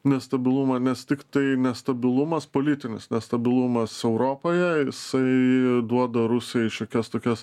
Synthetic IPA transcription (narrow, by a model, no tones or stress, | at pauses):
nʲɛst̪ɐbʲɪlˠumɐnʲɛst̪ʲɪkt̪ɐɪnʲɛst̪ɐbʲɪlˠumɐspoːlʲɪt̪ʲɪnʲɪ̰snʲɛst̪ɐbʲɪlˠumɐsɛʊɾoːpoːjɛjɪsɐɪd̪uɔd̪ɐɾʊsʲɪjɛɪʃʲoːkʲɛst̪oːkʲɛs